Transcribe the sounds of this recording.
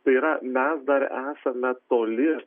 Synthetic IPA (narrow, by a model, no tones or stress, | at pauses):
t̪ɐɪiɾɐmʲɛsd̪ɐɾæːsɐmʲɛt̪oːlʲɪ